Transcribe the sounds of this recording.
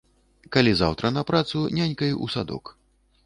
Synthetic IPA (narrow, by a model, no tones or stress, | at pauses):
kalʲiza̰wt̪ɾɐnɐpɾat̪sunʲanʲkɐjʔṵsad̪ɔ̰k